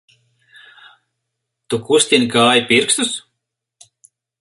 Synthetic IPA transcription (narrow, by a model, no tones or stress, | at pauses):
t̪ukusʲt̪ʲinʲkaːjipʲiɾkst̪us